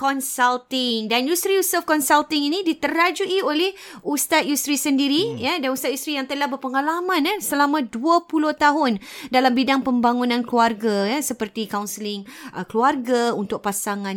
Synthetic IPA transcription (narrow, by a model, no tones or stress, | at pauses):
kɔnsalt̪ɪŋdanjust̪ɾijusəfkɔnsalt̪ɪŋinĩdit̪əɾad͡ʒuʔiolɛhust̪at̪̚just̪ɾisəndiɾijadanust̪at̪just̪ɾijaŋt̪əlahbərpəŋalamãnəsəlamãduəpulʊht̪aɦʊndalambidaŋpəmbaŋunãnkluarɡajasəpərt̪ikaunsəlɪŋəkluarɡaunt̪ʊk̚pasaŋãn